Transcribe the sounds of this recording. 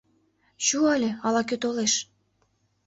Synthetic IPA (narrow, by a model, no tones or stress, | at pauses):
ɕuəlʲĕɑlɑkøt̪oleʃ